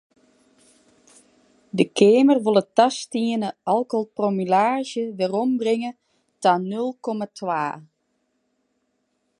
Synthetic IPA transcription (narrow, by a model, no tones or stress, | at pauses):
dəkʰeːmərʋolˠətɑstiənəʔɑlˠkɔlˠpromilaːʒjəʋɪrɔmbrɪŋə | tanølˠkɔmatʰʋaː